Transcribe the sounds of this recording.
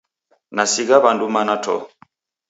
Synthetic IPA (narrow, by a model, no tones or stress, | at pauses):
nasiɣaβandumanatʰɔ̰